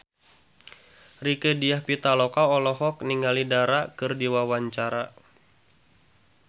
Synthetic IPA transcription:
rikədiahpit̪alɔkaɔlɔɦɔkniŋalidaɾakɨrdiwawaɲt͡ʃaɾa

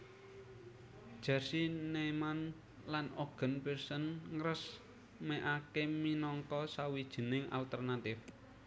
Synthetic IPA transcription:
d̥ʒ̥a̤rsineman | lanoɡ̥ə̤npirsənŋɾəs | mɛʔakeminɔŋkɔsawid̥ʒ̥ə̤nɪŋa̰lt̪ərnat̪ɪf

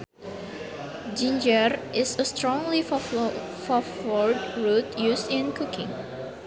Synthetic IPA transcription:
d͡ʒĩnd͡ʒəɹʔɪsəstɹɔ̃ŋlif | fɔfɔɹdɹutjustɪ̃nkʰukʰɪ̰̃ŋ

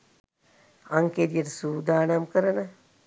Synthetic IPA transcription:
ɐŋkeɾijɐɾsuːd̪aːnɐmkəɾɐnɐ

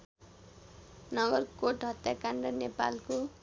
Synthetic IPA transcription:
nʌɡʌrkoʈɦʌt̪jakaɳɖʌnepa̰lko

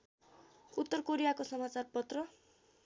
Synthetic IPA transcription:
ut̪ːʌrkoɾijakosʌmat͡sarpʌt̪rʌ

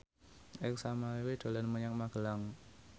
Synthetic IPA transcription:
ɪksamaiwid̪̥o̤lanməɲak̚maɡ̥ə̤laŋ

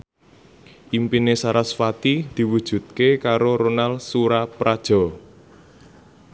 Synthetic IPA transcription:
ʔimpinesaɾasfat̪id̪̥i̤wud̥ʒ̥ṳt̪̚kekaɾoɾonalsuɾapɾad̥ʒ̥ɔ̤

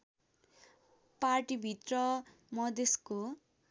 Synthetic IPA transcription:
parʈibʱit̪rʌ | mʌd̪esko

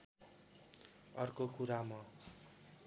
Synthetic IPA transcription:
ʌrkokuɾamʌ

